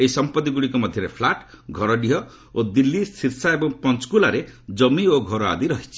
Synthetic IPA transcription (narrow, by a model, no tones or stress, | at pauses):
eisɔmpɔt̪iɡuɽikɔmɔd̪ʱjɔɾepʰlaʈɡʱɔɾɔɖiɦɔ | od̪ilːisiɾsaebɔŋpɔnt͡ʃkulaɾed͡ʒɔmioɡʱɔɾɔa̰d̪iɾɔɦit͡ʃʰi̥